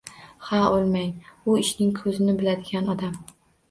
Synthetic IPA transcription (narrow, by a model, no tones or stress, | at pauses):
haolˠmaŋʊɪʃnɪŋkʰɵzɪnɪbɪlad̪ɪɡʲanɒd̪am